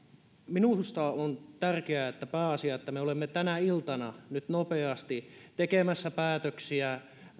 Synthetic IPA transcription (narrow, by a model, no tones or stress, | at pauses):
minust̪ɑont̪ærkeæet̪ːæpæːɑsiɑet̪ːæmeolemːet̪ænæilt̪ɑnɑnyt̪nopeɑst̪it̪ekemæsːæpæːt̪øksiæ